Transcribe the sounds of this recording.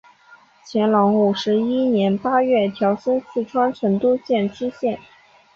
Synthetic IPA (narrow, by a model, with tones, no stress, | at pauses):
t͡ɕʰjɛ˧˥nlɑ˧˥ŋu˨˩ʂɻ̩˧˥i˥njɛ˧˥npa˥ɥɛ˥˩t̪ʰjɑ˧˥ʊsə˥nsɹ̩˥˩ʈ͡ʂʰwa˥nʈ͡ʂʰɤ˧˥ŋt̪u˥ɕjɛ˥˩nʈ͡ʂʰɻ̩˥ɕjɛ˥˩n